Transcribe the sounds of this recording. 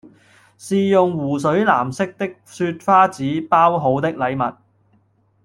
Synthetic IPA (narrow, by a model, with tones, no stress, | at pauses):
siː˨jʊ˨ŋwuː˨˩s̬ɵ˨˥ɥla̰ː˨˩msɪ˥k̚t̪ɪ˥k̚syː˧t̚faː˥t͡siː˨˥paː˥wɦo˨˥wt̪ɪ˥k̚lɐ˨˧jmɐ˨t̚